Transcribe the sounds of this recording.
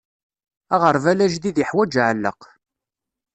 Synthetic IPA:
æʁəɾˤvælæʒðiðjəħwæd͡ʒʕlːə̰q

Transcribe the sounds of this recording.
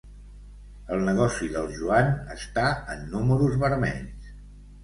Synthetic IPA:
əlˠnəɣ̞ɔsiðəlˠʒuanəst̪aənːuməɾuzβəɾmɛ̰ʎs

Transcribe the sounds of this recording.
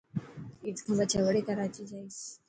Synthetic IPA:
it͡skʰəbat͡ɕaʋɽekəɾajt͡ɕid͡zais

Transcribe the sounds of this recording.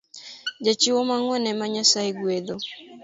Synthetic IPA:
d͡ʒet͡ʃiwɔmaŋwɛnɛmaɲasaeɡwed̪o

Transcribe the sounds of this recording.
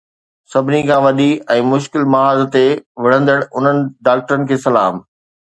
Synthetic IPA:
sɐbʱɪnikʰãːʋɐɗiɛ̃ːmʊʃkɪlmɐɦaːzt̪eʋɪɽ̤ə̃nd̪əɽ̃ʊn̤ənɪ̆ɖaːk̚ʈəɾənɪ̆kʰeːsɐla̰ːm

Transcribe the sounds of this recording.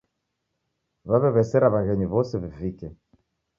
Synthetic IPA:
βaβɛβɛsɛɾaβaɣɛɲiβɔsɛβivikɛ

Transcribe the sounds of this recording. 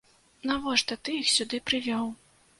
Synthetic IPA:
navɔʂt̪ɐt̪ɨixsʲud̪ɨpɾɨvʲɔw

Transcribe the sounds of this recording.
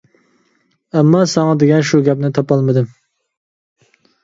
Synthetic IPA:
ɛmːɑsɑŋɑd̪eɡʲɛnʃuɡʲɛpnɪt̪ʰɑpɑlˠmɨd̪ɨm

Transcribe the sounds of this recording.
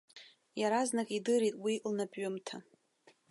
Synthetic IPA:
jaɾaznakʼidɨɾitʼwilnapʼɥʊmtʰa

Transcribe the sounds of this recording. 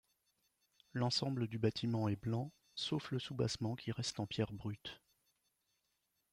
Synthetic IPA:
lɑ̃sɑ̃bləd̪ybat̪ʰimɑ̃ɛblɑ̃ | sofləsuba̰smɑ̃kʲiʁɛst̪ɑ̃pjɛʁbʁyt̪

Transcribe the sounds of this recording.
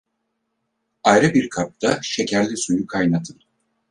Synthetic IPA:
ajɾɯbiɾkʰap̚t̪ʰaʃe̞cʰæɾlʲisujukʰajnat̪ʰɯn

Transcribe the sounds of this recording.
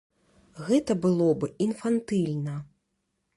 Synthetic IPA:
ɣɛt̪ɐbɨlˠɔbɨinfant̪ɨlʲnɐ

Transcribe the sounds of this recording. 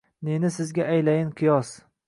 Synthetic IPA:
nenɪsɪzɡʲaʔajlajɪnqʰɨjɒs

